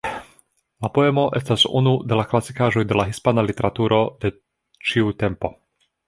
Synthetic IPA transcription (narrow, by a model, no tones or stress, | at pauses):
lapojɛmoʔɛst̪asṵnud̪ɛlaklasikaːʒojd̪ɛlaɦispanalit̪ɛɾat̪uːɾʔod̪ɛ | t͡ʃiut̪ɛmpo